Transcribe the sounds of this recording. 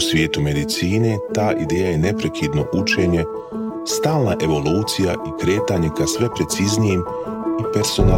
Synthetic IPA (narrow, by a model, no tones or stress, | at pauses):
usʋje̞ːt̪ume̞d̪it̪siːne̞t̪aːʔid̪e̞ːjaje̞ne̞pɾe̞kʰid̪no̞̰ʔut͡ʃe̞ːɲe̞ | st̪aːlˠnaʔe̞ʋo̞luːt̪sijaʔikɾe̞ːt̪aɲe̞kasʋe̞pɾe̞t̪siznijem | ipe̞ɾsona